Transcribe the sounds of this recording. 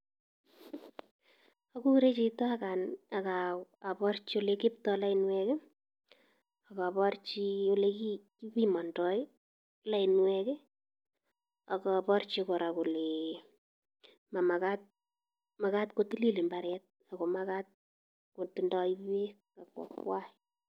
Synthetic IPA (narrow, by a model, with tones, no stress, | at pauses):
aku˦kɾe˦t͡ʃito˦aka˨na˨ka˨a˨pɔ˦rt͡ʃi˦o˦lekɪ˦ptɔla˦inwɛ˦ke˦ | a˨ka˨pɔ˦rt͡ʃi˦o˦le˦ki˦ki˦pi˦mɔ˨ndɔ˨j | la˦i˨nwɛke˦ | a˨kɔ˨pɔ˦rt͡ʃikɔ˨ɾa˨ko˨le˨ | ma˨ma˨kat̚ | ma˨ka˦tko˦ti˦li˦li˨mba˨ɾɛt̚ | a˨ko˨ma˦ka˦t̚ | ko˨tindɔ˦iβe˦ | ka˨kwɔ̰˨kwa˦